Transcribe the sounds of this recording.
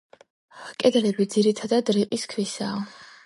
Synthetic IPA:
kʼɛd̪ɛlɛbid̪ziɾit̪ʰad̪ad̪ɾiqʼiskʰvwisaː

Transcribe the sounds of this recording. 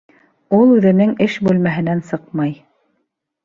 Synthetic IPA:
ulˠʉðɘ̆nɘŋɘʃbʉlmæɦɘ̆nænsɤqmɑj

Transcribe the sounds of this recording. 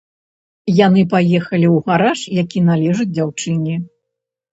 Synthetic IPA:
janɨpajɛxɐlʲiuwɣaɾaʂjakʲinalʲɛʐɨd͡zʲd͡zʲawt͡ʂɨnʲi

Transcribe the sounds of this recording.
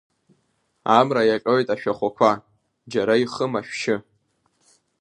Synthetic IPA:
amrajakʼawejtʼaʃᶣaχʷakʷʰa | d͡ʒaɾaiχəmaʃᶣʃɪ

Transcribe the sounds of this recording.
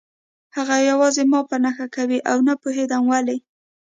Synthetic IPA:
haɣajawɑzemɑpənaxakawiʔawnapoɦed̪amwali

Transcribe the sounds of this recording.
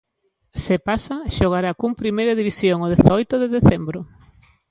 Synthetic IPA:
sepasaʃoɣ̞aɾakumpɾimejɾaðiβisjoŋoðeθaɔjt̪oðeðeθembɾʊ

